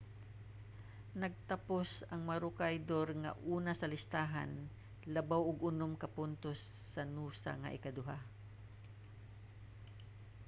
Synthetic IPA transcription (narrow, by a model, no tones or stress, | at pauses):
nɐɡ̚t̪ɐposɐŋmɐɾʊkajd̪oɾŋɐ̰ʔuːnasɐlɪst̪aːɦa̰n | lɐbawʊɡʊnomkɐpʊnt̪osːɐnuːsa̰ŋɐ̰ʔɪkad̪ʊɦa